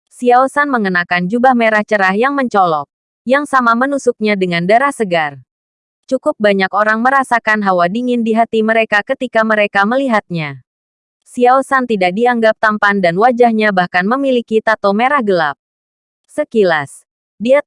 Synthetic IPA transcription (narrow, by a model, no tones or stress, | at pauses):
siaosanməŋənakand͡ʒubahmeɾaht͡ʃəɾahjaŋməɲt͡ʃɔlɔk̚ | jaŋsamamənusuk̚ɲadəŋandaɾahsəɡar | t͡ʃukʊp̚baɲakoɾaŋməɾasakanɦawadiŋɪndiɦat̪iməɾekakət̪ikaməɾekaməliɦat̪̚ɲa | siaosant̪idak̚diaŋɡap̚t̪ampandanwad͡ʒahɲabahkanməmilikit̪at̪omeɾahɡəlap̚ | səkilas | dia